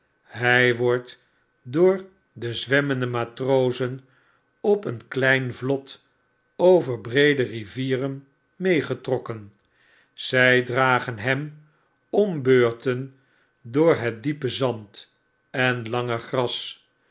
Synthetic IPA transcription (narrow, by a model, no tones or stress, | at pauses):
ɦɛjʋɔɹt | dʊːɹ | dəzʋɛməndəmaːtrowzən | ɔpənklɛjnvlɔt | owvəɹbrejdəriviːrən | mejχətrɔkən | z̥ɛjdraːχənɦɛm | ɔmbøːɹtən | dʊːɹɦɛt̚dipəzɑnt | ɛnlɑŋəχrɑs